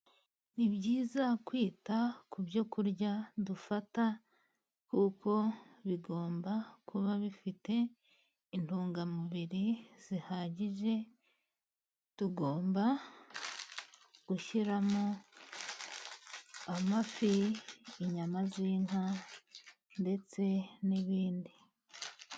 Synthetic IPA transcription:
nibɟiːzakwiːtakubjo̞kuɾɟadufata | kukʰo̞βiɡo̞ːmbakʰuβaβifite̞ | intuːŋɡamuβiɾiz̥ihaːɟiʒe̞ | tuɡoːmba | ɡ̥uʃiɾamo | amafiː | ɲamaziːŋa | nde̞t͡se̞niβiːndi

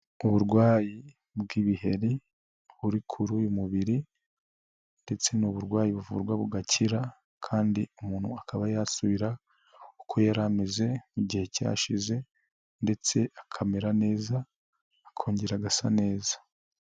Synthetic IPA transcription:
uβuɾɡwaːji | bɡiːβihe̞ɾi | βuɾikʰuɾuːjumuβiɾi | nde̞t͡se̞nuβuɾɡwaːjiβuvṵːɾɡwaβuɡacʰiɾa | kʰaːndiumuːn̥hṵakʰaβajaːsuβiɾa | ukʰo̞jaɾameze̞uɟihe̞ca̰ːʃize̞ | nde̞t͡se̞akʰameɾane̞ːzaː | kʰoːɲɟeɾaɡasa̰ne̞ːzḁ

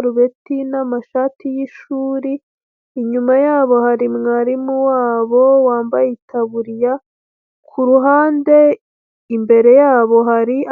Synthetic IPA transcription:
ɾuβe̞tinamaʃaːtijiʃuːɾiː | ɲumajaːβo̞haɾimŋaɾimuwaːβo̞waːmbajetʰaβuɾija | kʰuɾuɦaːnde̞ | imbe̞ɾe̞jaːβo̞ɦaɾi

